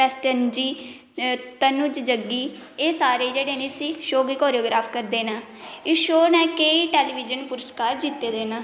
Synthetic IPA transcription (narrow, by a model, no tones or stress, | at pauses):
ɛsʈənd͡ʒiː | t̪ənʊd͡ʒd͡ʒəɡiː | eːsaːɾeːd͡ʒeːɽeːnẽːsiːʃoːɡiːkoːɾioːɡɾaːpʰkəɾd̪eːnãː | ɪʃoːnɛ̃ːkeːiːʈeːliːʋid͡ʒənpʊɾəskaːɾd͡ʒit̪ːeːd̪eːnãː